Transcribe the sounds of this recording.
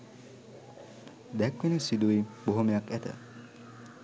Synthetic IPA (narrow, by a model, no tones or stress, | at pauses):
d̪ɛkʋenəsid̪uiboɦomejakæt̪ə̰